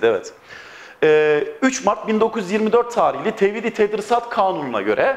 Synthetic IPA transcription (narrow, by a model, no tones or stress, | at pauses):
ɛvɛ̰t̪ | ɛːyt͡ʃmaɾt̪̚bind̪o̞kʰujyzjiɾmid̪øɾt̪ʰːaːɾiçlʲit̪ʰevid̪it̪ʰed̪ɾisat̪kʰaːnununa̰ɟø̞̰ɾʔɛ